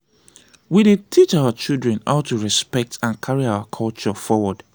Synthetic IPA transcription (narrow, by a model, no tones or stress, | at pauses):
wided̚tʰit͡ʃawət͡ʃildɹɛ̃naʊtuɹɛspɛk̚tãnkʰaɹiawəkʰɔlt͡ʃɔfɔwɔd̥